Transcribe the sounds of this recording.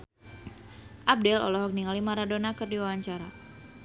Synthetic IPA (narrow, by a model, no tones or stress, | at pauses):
ʔab̚dɛlɔ̰lɔɦɔk̚niŋalimaɾadonakərdiwawaɲt͡ʃaɾa̰